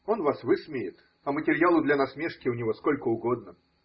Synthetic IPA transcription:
o̞nvasvɨsmʲejɪt̪ | ɐmətʲɪɾʲjalˠʊd̪lʲɐnɐsmʲeʂkʲɪʊnʲɪvo̞sko̞lʲkəʊɡo̞d̪̚nə

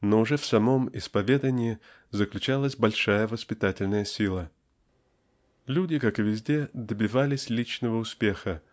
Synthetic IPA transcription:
noʊʐɛfsɐmo̞mɪspɐvʲe̞d̪ənʲɪɪ | zəklʲʉt͡ɕalˠəsʲbɐlʲʂajəvəspʲɪt̪atʲɪlʲnəjəsʲilˠə | lʲudʲɪkakɨvʲɪzʲdʲe̞d̪əbʲɪvalʲɪsʲlʲit͡ɕnəvəʊspʲe̞xə

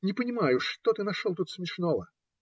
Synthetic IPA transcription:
nʲɪpənʲɪmajʊʂt̪ot̪ɨnɐʂolˠt̪ut̪smʲɪʂnovə

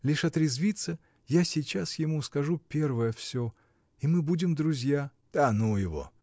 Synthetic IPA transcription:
lʲiʂɐt̪ɾʲɪzvʲit̪sə | jasʲit͡ɕasjɪmuskɐʐupʲe̞rvəjəfsʲo | imɨbudʲɪmd̪ɾʊzʲjad̪anujɪvo̞̰

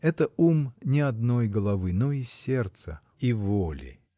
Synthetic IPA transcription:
ɛt̪əumnʲɪɐd̪no̞jɡəlˠɐvɨnoisʲert̪sə | ivolʲɪ̰

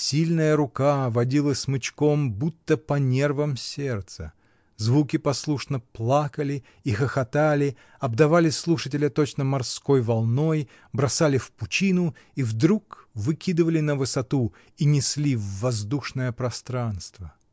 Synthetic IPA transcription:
sʲilʲnəjəɾʊkavɐdʲilˠəsʲmɨt͡ɕko̞mbut̪ːəpɐnʲe̞rvəmsʲert̪sə̰ | zvukʲɪpɐslˠuʂnəplˠakəlʲɪ | ixəxɐt̪alʲɪ | ɐb̚d̪ɐvalʲɪslˠuʂətʲɪlʲət̪ot͡ɕnəmɐrsko̞jvɐlˠno̞j | bɾɐsalʲɪfpʊt͡ɕinʊivd̪ɾukvɨkʲid̪ɨvəlʲɪnəvɨsɐt̪u | inʲɪslʲivːɐzd̪uʂnəjəpɾɐst̪ɾanst̪və

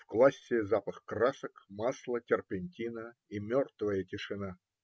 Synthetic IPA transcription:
fklˠasʲːɪzapəxkrasəkmaslˠətʲɪrpʲɪnʲtʲinəimʲort̪vəjətʲɪʂɨna

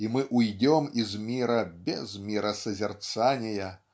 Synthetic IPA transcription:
imɨʔujd͡zʲɔmizmʲiɾɐbʲɛzmʲiɾɐsɐzʲɛrt̪sanʲɛjɐ

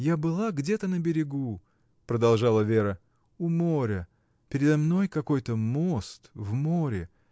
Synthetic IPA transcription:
jabɨlˠaɡdʲet̪ənəbʲɪɾʲɪɡu | pɾəd̪ɐlˠʐɑlˠəvʲe̞ɾə | ʊmo̞ɾʲə | pʲɪɾʲɪd̪ɐmno̞jkɐko̞jt̪əmost̪vmoɾʲɪ

